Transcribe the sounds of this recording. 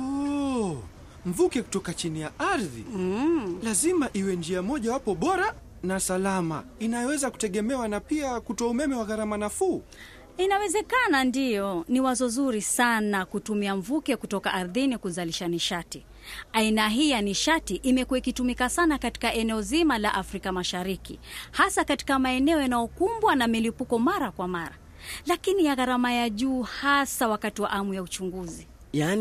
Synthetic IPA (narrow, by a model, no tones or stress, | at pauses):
ɔ | ɱ̩vukɛku̥tɔkat͡ʃinijaʔaɾðḭ | lazimaʔiwɛnd͡ʒiamɔʄawapɔɓɔɾa | nasalama̰inajɔwɛzaku̥tɛɠɛmɛwanapiakutɔaumɛmɛwaɣaɾamanafuː | inawɛzɛkanandijɔniwazɔzuɾisanakutumiaɱvukɛkutɔkaʔaɾðinikuzaliʃaniʃati | ainaɦiːjaniʃatiʔimɛkuwaikitumikasanakati̥kaʔɛnɛɔzimala̰ʔafɾikamaʃaɾikḭhasakati̥kamaɛnɛɔjanajɔkumbwanamilipukɔmaɾakwamaɾa̰ | lakinijaɣaɾamajaʄuːhasawakatiwa̰ʔamujaut͡ʃuŋɡuzi | jan